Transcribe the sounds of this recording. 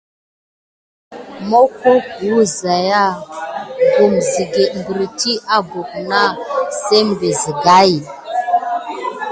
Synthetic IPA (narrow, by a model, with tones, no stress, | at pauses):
mo˦ko˦kwu˦za˨ja˦ | ɡu˨mzi˨ɡe˨m˨bə˨ɾi˨ti˦a˦bo˨kna˦se˦m˨be˨zi˨ɡa˦i˨